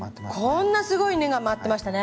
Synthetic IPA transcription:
kʰõnːasɨɡo̞ine̞ɡamat̪ːe̞maɕ̬i̥t̪ane

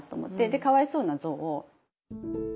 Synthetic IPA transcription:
t̪ːo̞ːmo̞̰t̪ːe̞d̪e̞kaβaiso̞ːnazo̞ːʔo

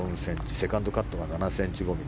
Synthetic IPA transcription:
õñsẽ̞ɲt͡ɕi̥se̞kãnd̪o̞kat̪ːoɡananasẽ̞ɲ̟t͡ɕiɡo̞mʲi

